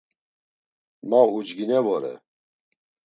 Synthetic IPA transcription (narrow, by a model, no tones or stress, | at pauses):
maud͡ʒɡinɛvɔɾɛ̰